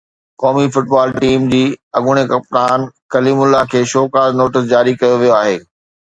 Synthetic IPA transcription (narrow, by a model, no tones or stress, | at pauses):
kɔːmifʊʈbaːlʈiːmd͡ʑiːɐɠʊɽ̃ekɐpt̪aːnkɐliːmʊlːakʰeːʃoːkaːznoːʈɪs̬d͡ʑaːɾikɐjoʋijoaːɦeː